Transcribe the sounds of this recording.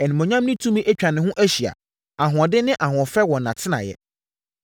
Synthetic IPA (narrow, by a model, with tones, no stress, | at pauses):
ɛ˨nɪ̃˨mɔ̃˨ɲã˦mnɪ̃˦tʰũ˦mĩ˦ʔæ˦t͡ɕᶣa˨nɪ̃˨ɦʊ̃˦ʔæ˦ɕi˨a̰˨ | a˨ɦʊ̃˨ɔ˨dɪ˦nɪ̃˦ʔa˨ɦʊ̃˨ɔ˨fɛ˦wɔ̃˨nã̰˨tʰɪ˦nã̰˨jɛ̰˦